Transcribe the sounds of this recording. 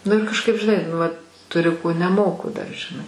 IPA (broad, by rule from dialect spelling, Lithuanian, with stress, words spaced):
ˈnʊ ɪr kɐʃˈkɐɪp ʒʲɪˈnɐɪ nʊ ˈʋɐt tʊˈrʲʊ koː nʲɛˈmoːkʊ dɐr ʒʲɪˈnɐɪ